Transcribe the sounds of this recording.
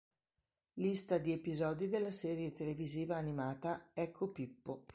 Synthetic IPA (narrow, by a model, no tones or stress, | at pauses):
list̪ad̪iepizɔːd̪id̪elːasɛːɾjet̪eleviziːvaːnimaːt̪aɛkʰːopipːo